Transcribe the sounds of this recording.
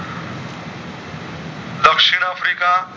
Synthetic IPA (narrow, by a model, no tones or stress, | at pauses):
dəkʂiɽ̃afɾika